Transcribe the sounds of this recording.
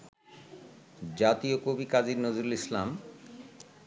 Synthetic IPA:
d͡ʑat̪iokobikad͡ʑiɾnod͡ʑuɾulislam

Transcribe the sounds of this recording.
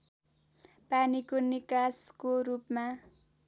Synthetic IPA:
panikonikaskoɾupma

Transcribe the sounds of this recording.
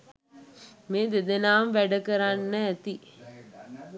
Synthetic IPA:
meːd̪ed̪enaːmʋæɖəkəɾanːəːt̪i

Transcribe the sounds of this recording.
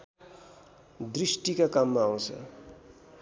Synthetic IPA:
d̪risʈikakamːaːw̃t͡sʰʌ̰

